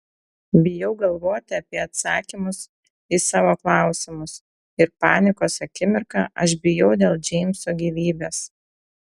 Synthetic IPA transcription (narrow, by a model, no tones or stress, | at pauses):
bʲɪjɛʊɡɐlˠʋoːt̪ʲɪɐpʲiɛɐt̪sɑːkʲimʊs | isɑːʋoːklˠɑˑʊsʲɪmʊs | ɪɾpɑːnʲɪkoːsɐkʲɪmʲɪɾkɑːʔɐʃbʲɪjɛʊd̪ʲeːlˠd͡ʒʲɛɪmʲsoːɡʲiːʋʲiːbʲeːs